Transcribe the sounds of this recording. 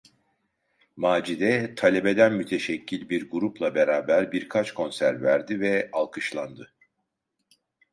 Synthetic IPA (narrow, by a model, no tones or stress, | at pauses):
maːd͡ʒid̪ɛt̪ʰalʲebe̞d̪ænmyt̪ʰeʃɛcʰːilʲbiɾɡuɾuplˠabeɾaːbæɾbiɾkʰat͡ʃkʰo̞nsæɾvæɾd̪ivɛalˠkʰɯʃlˠand̪ɯ